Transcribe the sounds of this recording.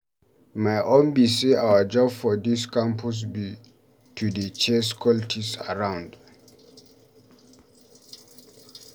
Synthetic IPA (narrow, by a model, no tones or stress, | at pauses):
maɪʔɔ̃nbiseawəd͡ʒɔbfɔdiskãmpʰus̬bi | tʰudət͡ʃɛskʰɔltʰisa̰ɹãw̃nd